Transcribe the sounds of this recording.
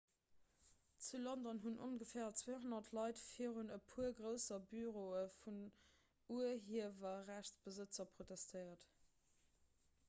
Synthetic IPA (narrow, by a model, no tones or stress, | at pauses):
t͡sulondɔnɦunʔonɡəfɛːɐt͡sweːɦonɐtʰlɑɪtfiːʁunəpʰuɐɡʁəʊsɐbyʁoːəfun | uəɦiəvɐʁæɕt͡sb̥əzət͡sɐpʁotɛstʰəɪɐt